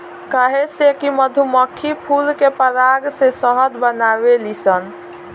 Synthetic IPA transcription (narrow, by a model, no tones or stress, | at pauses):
kaɦesekiməd̪ʱuməkʰːipʰulkepəɾaɡsesəɦəd̪bənabelisən